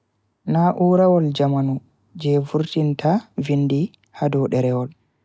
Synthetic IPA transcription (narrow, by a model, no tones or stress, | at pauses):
naʔuːɾawɔld͡ʒamanu | d͡ʒɛvuɾtintʰavinːdi | hadɔɗɛɾɛwɔl